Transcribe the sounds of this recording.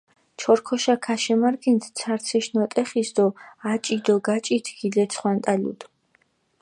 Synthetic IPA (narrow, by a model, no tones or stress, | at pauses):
t͡ʃʰɔɾkʰɔʃakʰaʃɛmaɾɡɛnt̪ʰt̪sʰaɾt̪sʰiʃnɔt̪ʼɛχisd̪ɔat͡ʃʼid̪ɔɡat͡ʃʼit̪ʰɡ̥ilɛt̪sʰχwant̪ʼalṵd̪̥